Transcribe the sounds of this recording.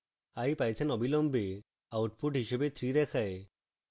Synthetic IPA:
ajpajt͡ʃʰenɔbilɔmbe | awʈpuʈɦiʃebet̪ʰɾiɾɛkʰae

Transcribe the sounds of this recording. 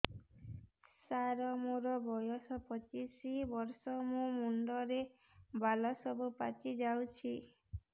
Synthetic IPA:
saɾɔmuɾɔbɔjɔsɔpɔt͡ʃisibɔɾsɔmũmuɳɖɔɾe | balɔsɔbupat͡ʃid͡ʒawt͡ʃʰi

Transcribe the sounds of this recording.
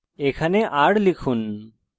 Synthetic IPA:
ekʰaneʔaɽlikʰun

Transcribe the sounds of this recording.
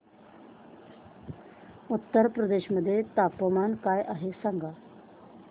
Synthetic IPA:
ut̪ːəɾpɾəd̪eːɕməd̪ʱːjet̪apːəmankajʔaɦesaŋɡa

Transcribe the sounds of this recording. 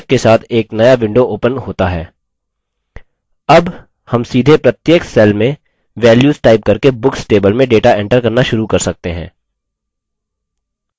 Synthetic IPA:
kkesaːt̪ʰeːknɐjaʋɪ̃ɳɖoʔoːpənɦoːt̪aɦɛː | ɐb | hɐmsiːd̪ʱepɾɐt̪jeːksɛlmẽ | ʋɛːljuːzʈaːɪp̚kɐɾkebʊksʈeːbəlmẽɖeːʈaʔɛ̃ːɳʈəɾkɐɾnaʃʊɾukɐɾsɐk̚t̪eɦɛ̰̃ː

